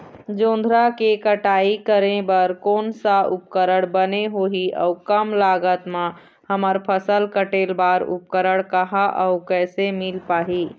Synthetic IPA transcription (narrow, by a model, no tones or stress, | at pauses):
d͡ʒõːnd̪ʱɾakekəʈaːikəɾẽbəɾkoːnsaʔʊp̚kəɾəɽbəneɦoɦiɔ̰ʊkəmlaːɡət̪mã | həməɾpʰəsəlkəʈeːlbaːɾʊ̰p̚kəɾəɽ̃kəɦaʔɔʊkɛːsemɪlpaːɦiː